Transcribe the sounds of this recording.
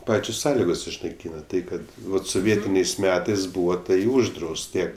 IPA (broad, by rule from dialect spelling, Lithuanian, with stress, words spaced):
ˈpɑːt͡ʃʲoːs ˈsɑːlʲɪɡoːs ɪʃnɐɪˈkʲiːnɐ ˈtɐɪ kɐt ˈʋɐt soːˈʋʲiɛtʲɪnʲɛɪs ˈmʲæːtɐɪs ˈbuːʋɐ ˈtɐɪ ˈʊʒdrɐʊst ˈtʲiɛ